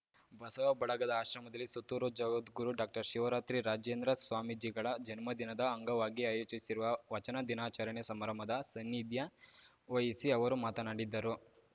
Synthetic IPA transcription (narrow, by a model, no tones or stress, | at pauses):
bʱɐsɐʋɐbɐɭɐɡɐd̪ɐaːʃɾɐmɐd̪ɐlːisut̪ːuːɾod͡ʒɐɡɐt̪ɡuɾuɖaːk̚ʈɐɾʃiʋɐɾaːt̪ɾiɾaːd͡ʒjeːnd̪ɾɐsʋaːmid͡ʒiːɡɐɭɐd͡ʒɐnmɐd̪inɐd̪ɐɐŋɡɐʋaːɡiaːjoːt͡ʃisiɾuʋɐʋɐt͡ʃɐnɐd̪inaːt͡ʃaːɾɐɳjɐsɐmɐɾɐmɐd̪ɐsɐnːid̪jɐ | ʋɐjɐsiɐʋɐɾumaːt̪ɐnaːɽid̪ːɐɾu